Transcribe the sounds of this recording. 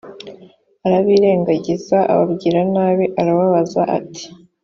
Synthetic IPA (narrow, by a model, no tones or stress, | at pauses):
aɾaβiːɾe̞ːŋɡaɟizaa̰βa̰bɟiːɾanaːβiʔaɾaβaβazaʔa̰tʰi̥